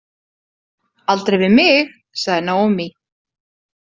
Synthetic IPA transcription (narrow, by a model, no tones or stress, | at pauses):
alt̪ɾejvɪðmɪx | saɣðɪnaːwɔmi